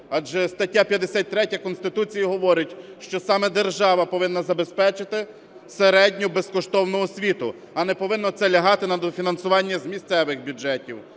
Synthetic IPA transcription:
ɑd͡ʒɛst̪ɐtʲːapʲjɐd̪esʲat̚ʲt̪ɾɛtʲɐkɔnst̪ɪt̪ut͡sʲijiɦɔʋɔɾɪtʲʃt͡ʃɔsɑmɛd̪erʒɑʋɐpɔʋɪnːɐzɐbespɛt͡ʃɪt̪ɪ | seɾɛdʲnʲʊbeskɔʃt̪ɔwnʊɔsʲʋʲit̪ʊ | ɐnɛpɔʋɪnːɔt̪sɛlʲɐɦɑt̪ɪnɐd̪ɔfʲinɐnsʊʋɑnʲːɐzmʲisʲt̪sɛʋɪxbʲʊd͡ʒɛtʲiw

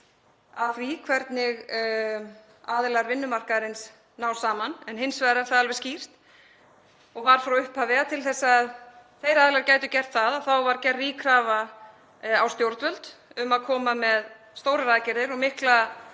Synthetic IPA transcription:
aðθvikʰvɛɾt̪nɪɣ | aːðɪlaɾvɪnːʏmar̥kaɾɪns | nawsaːmanɛnɦɪnsvajðɾɛɾθaðalvɛɾ̥sciːr̥t̪ | ɔɣvaɾ̥fɾawʏhpavɛat̪ʰɪlθɛsːaðθejɾaːðɪlaɾcaːjt̪ʏcɛr̥t̪θaðaθawvaɾcɛrːiːkʰɾaːva | awst̪jowɾt̪vœlt̪ʏmaðkʰɔːmamɛð | st̪owɾɪɾaːðcɪɾðɪɾɔɣmɪhkla

